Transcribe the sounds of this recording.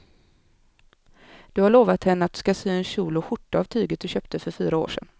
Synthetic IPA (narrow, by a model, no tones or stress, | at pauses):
d̪̥ɵhaɭoːvat̪hɛnːəat̪̚d̪ɵ̥skasyːɛnɕuːlʊɧʊʈːaavt̪ʰyːɡət̪̚d̪ɵɕøːp̚t̪əfœɾfyːɾao̰ːʂɛ̰n